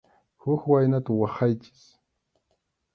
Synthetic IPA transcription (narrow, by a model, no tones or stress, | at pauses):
hʊkwajnat̪awɑχɑjt͡ʃɪ̥s